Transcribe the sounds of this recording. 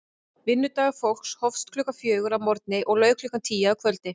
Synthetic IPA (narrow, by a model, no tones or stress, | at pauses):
vɪnːʏt̪aɣafowl̥kshɔfst̪kʰlʏːkafjœːɣʏɾavmɔɾt̪̚nɪʔɔɣlœːɥklʏkant̪ʰiːjakʰvœlt̪̚nɪ